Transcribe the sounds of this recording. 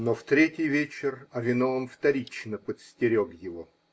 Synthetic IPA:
noft̪ɾʲetʲɪjvʲet͡ɕɪrɐvʲɪnovəmft̪ɐɾʲit͡ɕnəpət̪sʲtʲɪɾʲokjɪvo

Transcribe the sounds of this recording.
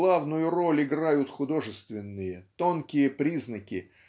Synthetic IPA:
lˠavnʊjʊro̞lʲɪɡɾajʊt̪xʊd̪o̞ʐɨst̪vʲɪnːɨjət̪o̞nkʲɪjəpɾʲiznəkʲɪ

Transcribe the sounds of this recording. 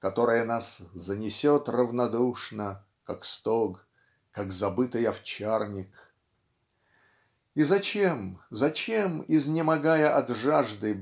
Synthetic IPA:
kɐt̪o̞ɾəjənaszənʲɪsʲot̪rəvnɐd̪uʂnə | kakst̪oɡ | kaɡzɐbɨt̪ɨjɐft͡ɕarnʲɪk | izɐt͡ɕemzɐt͡ɕemɪznʲɪmɐɡajəʔɐd̪ʐaʐd̪ɨ

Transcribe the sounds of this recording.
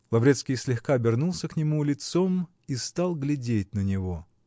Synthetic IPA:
lˠɐvɾʲet̪skʲijsʲlʲɪxkabʲɪrnulˠsʲəknʲɪmulʲɪt̪som | ist̪alˠɡlʲɪdʲet̚ʲnənʲɪvo

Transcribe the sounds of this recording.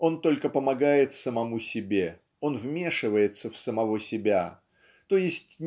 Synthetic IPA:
o̞nt̪o̞lʲkəpəmɐɡajɪt̪səmɐmusʲɪbʲe̞ | o̞nvmʲe̞ʂɨvəjɪt̪səfsəmɐvo̞sʲɪbʲa̰ | t̪o̞jɪsʲtʲ

